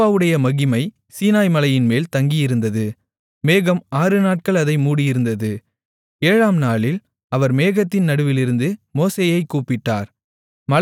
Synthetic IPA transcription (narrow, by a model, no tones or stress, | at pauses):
aːʋɯɽɐjɐmɐɣɪmɐɪ | siːnaːjmɐlɐjɪnmeːlt̪ɐŋɡɪjɪɾɯnd̪ɐðɯ | meːɣɐmaːɾɯnaːʈ̚kɐɭɐðɐɪmuːɽɪjɪɾɯnd̪ɐðɯ | eːɻaːmnaːɭɪl | ɐʋɐɾmeːɣɐt̪ːɪnnɐɽɯʋɪlɪɾɯnd̪ɯmoːseːjɐɪkːuːpɪʈːa̰ːɾ | mɐl